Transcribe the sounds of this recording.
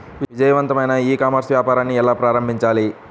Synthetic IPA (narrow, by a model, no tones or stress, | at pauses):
ʋiʋid͡ʒɐjɐʋɐnt̪ɐmɐjnɐiːkaːmɐɾsʋjaːpaːɾaːnːiɛlaːpɾaːɾɐmbʱiɲt͡ʃaːli